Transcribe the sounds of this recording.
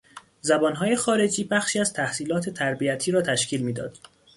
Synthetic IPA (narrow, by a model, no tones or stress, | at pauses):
zæbɒːnɦɒːjexɒːɾe̞d͡ʒiːbæxʃiːæz̥t̪ʰæhsiːlɒːt̪ʰe̞t̪ʰæɾbiæt̪ʰiːɾɒːt̪ʰæʃcʰiːlmiːd̪ɒ̰ːd̪̥